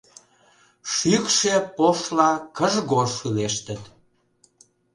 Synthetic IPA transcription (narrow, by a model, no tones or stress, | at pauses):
ʃykʃepoʃlɑkəʒɣoʃyleʃt̪ət̪